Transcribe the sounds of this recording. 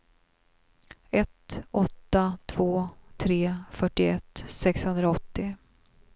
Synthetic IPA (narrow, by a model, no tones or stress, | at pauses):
ɛt̪ɔt̪ːat̪ʰv̥oːt̪ʰɾeːfœʈːɪɛt̪ːsɛkshɵnd̪ɾaɔt̪ːɪ